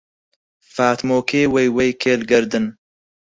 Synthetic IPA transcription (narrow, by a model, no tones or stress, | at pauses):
faːt̪moːkʰeːwejwejkʰeːlɡɐɾd̪ɨn